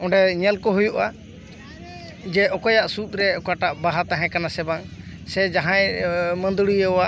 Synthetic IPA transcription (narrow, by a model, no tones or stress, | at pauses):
ɔɳɖɛɲɛlkɔɦujuʔa | d͡ʒɛɔkɔjaʔsut̪̚ɾɛɔkaʈaʔbaɦat̪aɦɛ̃kanasɛbaŋ | sɛd͡ʒaɦãjmənd̪uɽijəɔwa